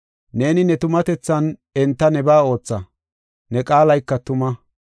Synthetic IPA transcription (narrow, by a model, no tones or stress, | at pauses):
ne̞ːnɪnɛt̪ʊmɐt̪ɛt͡sːɐnɛnt̪ːɐnɛbaːo̞ːt͡sːɐ | nɛkʼaːlɐjkːɐt̪ʊmɐ